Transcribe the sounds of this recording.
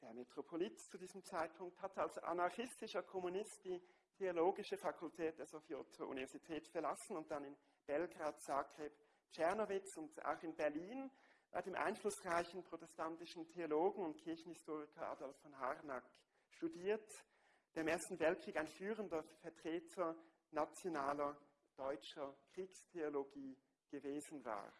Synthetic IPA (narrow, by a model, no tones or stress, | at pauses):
d̥eːɐmetʁ̥opʰolitt͡sudiːzəmt͡saɪt̚pʰʊŋk̚thatalsa̰naçɪstɪʃɐkʰɔmunɪstd̥iː | tʰeoloːɡɪʃəfakʰʊltʰɛːt̚d̥eːɐzofjotʰoʔṵnivɛɐz̥itʰɛːtfɛɐlasn̩ʊnt̚d̥anɪn | b̥ɛlɡʁaːtz̥aːkʁeːp | t͡ʃɛɐnovɪt͡sʊnta̰ʊxɪnbɛɐliːn | b̥a̰d̥eːmʔa̰ɪnflʊsʁaɪçn̩pʁ̥otɛstantɪʃn̩tʰeoloːɡn̩ʊntkʰɪɐçn̩hɪstoːʁɪkʰɐʔa̰dɔlffɔnɦaʁnak | ʃtudiːɐt | d̥eːɐɪmʔeːɐstn̩vɛlt̚kʁ̥iːkaɪnfyːʁəndɐfɛɐtʁ̥ɛːtʰə | nat͡sjonaːlɐ | d̥ɔʏt͡ʃɐkʁ̥iːkstʰeoloɡiː | ɡ̥əveːzn̩va̰ːʁ